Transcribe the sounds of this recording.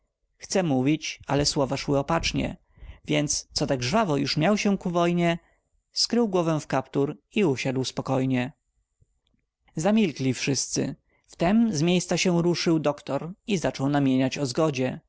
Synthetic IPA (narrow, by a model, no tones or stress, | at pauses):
xt̪sɛmuvʲit͡ɕalɛswɔvaʂwɘɔpat͡ʂɲɛ̰ | vʲjɛnt̪st̪sɔt̪aɡʐvavɔjuʂmʲjawɕɛkuvɔjɲɛ | skɾɘwɡwɔvɛ̃fkapt̪uɾiuɕad̪wspɔkɔjɲɛ | zamʲilklʲifʂɘst̪sɘ̰ | ft̪ɛmzmʲjejst̪saɕɛ̃ɾuʂɘwd̪ɔkt̪ɔɾizat͡ʂɔwnamʲjeɲat͡ɕɔzɡɔd͡ʑɛ